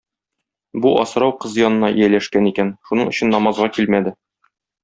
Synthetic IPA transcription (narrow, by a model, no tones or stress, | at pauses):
buʔɒ̰s̆ɾɑwqɤzjɒnɤ̆nɑʔijælæʃkænikænʃunɤɴɵ̆ɕɘ̆nːɒmɑzʁɑkilmæd̪ɘ